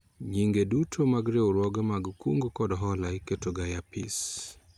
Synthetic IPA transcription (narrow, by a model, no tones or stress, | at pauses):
ɲiŋɡedutʰomaɡɾewoɾwɔɡamaɡkuŋɡkɔdɦɔlaiketoɡajapḭs